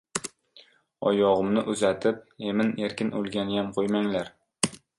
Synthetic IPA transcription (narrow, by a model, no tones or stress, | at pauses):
ɒjɒʁɨmnɪʔʊzat̪ʰɪp̚e̞mɪne̞ɾkʲɪnʔolˠɡʲanɪjamqʰojmaŋlaɾ